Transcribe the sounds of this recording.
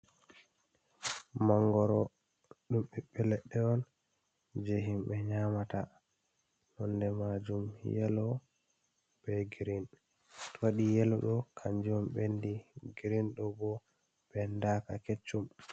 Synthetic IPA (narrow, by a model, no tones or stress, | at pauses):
maŋɡɔɾɔ | ɗumɓɛɓɛlɛɗːɛɔn | d͡ʒeɦimɓɛɲaːmata | nɔndɛmad͡ʒumjɛ̰lɔ | b̥ɛɡɾin | tɔwaɗijɛlɔɗɔkʰaɲd͡ʒiɔmɓendiɡiɾinɗɔbɔ | ɓɛndakaket͡ʃːum